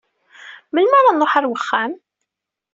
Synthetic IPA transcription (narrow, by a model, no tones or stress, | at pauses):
məlmaɾˤɑnoħaɾwəχːæm